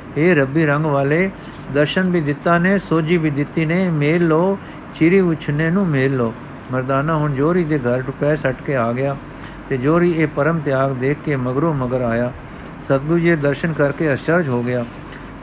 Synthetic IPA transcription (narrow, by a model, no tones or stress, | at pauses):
ɦeːɾəbiːɾəŋɡʋaːleː | d̪əɾʃənbiːd̪ɪt̪ːaːneːsoːd͡ʒiːbiːd̪ɪt̪ːiːneːmeːlːoː | t͡ʃiɾiːʊt͡ʃʰneːnũːmeːlːoː | məɾd̪aːnãːɦʊnd͡ʒoːɾiːd̪eːɡʱəɾʈʊpɛːsəʈkeːaːɡɪjaː | t̪eːd͡ʒoːɾiːeːpəɾəmt̪ɪjaːɡd̪eːkːeːməɡɾoːməɡəɾaːjaː | sət̪̚ɡuːd͡ʒeːd̪əɾʃənkəɾkeːəst͡ʃəɾd͡ʒɦoːɡɪjaː